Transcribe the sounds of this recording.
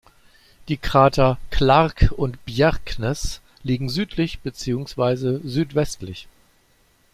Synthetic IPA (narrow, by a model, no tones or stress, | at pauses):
d̥iːkʁ̥aːtʰɐkʰlaʁkʊntb̥jɛʁknɛs | liːɡŋ̩zyːtʰlɪçb̥ət͡siːʊŋsv̥aɪzəzyːtv̥ɛstlɪç